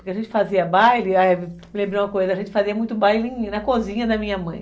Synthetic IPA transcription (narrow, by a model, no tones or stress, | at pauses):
pʊɾkɪɐʒẽnt͡ʃɪ̥faziɐbajlɪamlẽmbɾẽw̃mɐkojzɐːʒẽnt͡ʃɪ̥faziɐmũj̃t̪ʊbajlĩnɐkozĩɲɐd̪ɐmĩɲɐmɐ̃j̃